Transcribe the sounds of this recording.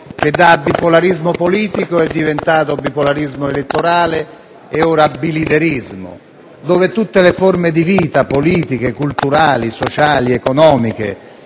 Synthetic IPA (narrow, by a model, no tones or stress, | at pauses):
k̟ed̪ːaːbːipolaɾizmopoliːt̪ikoɛd̪ːivent̪aːt̪̬obipolaɾizmoelet̪ːoɾaːle | eoɾabːilid̪eɾizmo̰ | d̪oːvet̪ut̪ːeleformed̪iviːt̪apoliːt̪ik̟ekult̪uɾaːlisot͡ʃaːliekonɔːmik̟ḛ